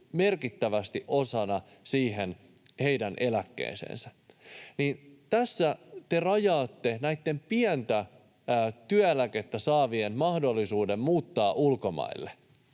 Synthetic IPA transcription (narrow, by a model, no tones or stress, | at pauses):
me̞rkit̪ːæʋæst̪iʔo̞sɑnɑ | siːɦen | he̞idænʔe̞lækːḛːnsḛːnsænint̪æsːæt̪erɑjɑːt̪ːe̞næit̪ːe̞mpiænt̪æ | t̪yæelæke̞t̪ːæsɑːʋienmɑhdolːisuːde̞mmuːt̪ːɑːʔulko̞mɑ̰ilːe